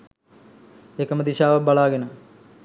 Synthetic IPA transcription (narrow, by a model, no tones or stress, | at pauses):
ekːɐmɐd̪iɕaːʋɐbɐɭaːɡenɐ